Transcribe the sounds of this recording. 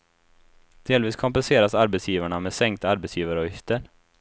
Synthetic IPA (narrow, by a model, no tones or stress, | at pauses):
d̪̥eːlviːskʰɔmpɛnseːɾasaɾbɛt̪sjiːvaɳamesɛŋk̚t̪aɾbɛt̪sjiːvaɾɔjɪft̪əɾ